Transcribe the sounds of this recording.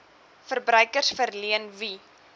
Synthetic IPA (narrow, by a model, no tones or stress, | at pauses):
fərbɾœɥkərsfərliənvi